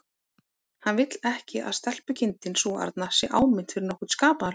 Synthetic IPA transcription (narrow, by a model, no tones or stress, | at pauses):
hanvɪt̪lɛhcɪʔa̰ðst̪ɛl̥pʏcʰɪnt̪ɪnsuːa̰ɾt̪nasjɛʔa̰ːwmɪn̥t̪fɪɾɪɾnɔhkʏɾskaːpana